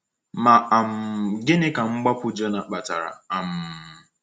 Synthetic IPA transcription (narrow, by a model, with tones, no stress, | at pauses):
ma˨a˨m̩˨ɡɪ˦nɪ˦ka˨ŋ͡m̩˦ɡ͡ba˦pʊ˦d͡ʒɔ˦na˨k͡pa˨ta̰˨ɾa̰˨a˨m̩˨